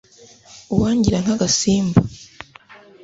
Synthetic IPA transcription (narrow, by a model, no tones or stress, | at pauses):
uwaːɲɟiɾaŋ̥haɡasiːmba